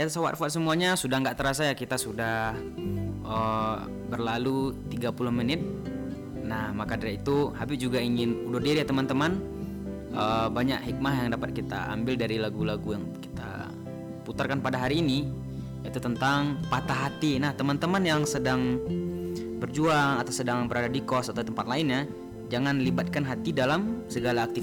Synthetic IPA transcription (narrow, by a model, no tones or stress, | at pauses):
jasawa̰t̪̚fat̪̚səmuaɲasudahŋɡaʔt̪əɾasajakit̪asudah | ʔə | bərlalut̪iɡapulʊhmənɪt̪̚ | nahmakadaɾait̪uhabɪsd͡ʒuɡaiŋɪnudʊrdiɾijat̪əmant̪əman | ʔəbaɲakhik̚mahjaŋdapat̪̚kit̪a̰a̰mbɪldaɾilaɡulaɡujaŋki̥t̪a̰ | put̪arkanpadaɦaɾiːni | jait̪ut̪ənt̪aŋpat̪aɦat̪inaht̪əmant̪əmanjaŋsədaŋ | bərd͡ʒuaŋat̪awsədaŋbəɾadadikɔsat̪awt̪əmpat̪̚laɪnɲa | d͡ʒaŋanlibat̪̚kanɦat̪idalamsəɡalaːk̚t̪i